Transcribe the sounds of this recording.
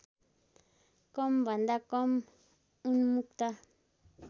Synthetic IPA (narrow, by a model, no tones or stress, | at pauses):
komband̪akom | unmũkt̪a